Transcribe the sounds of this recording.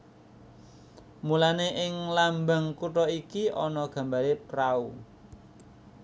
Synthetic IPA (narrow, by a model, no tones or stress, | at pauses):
mulaneʔɪŋlambaŋkuʈɔikiʔɔnɔɡ̥ä̤mbaɾepɾau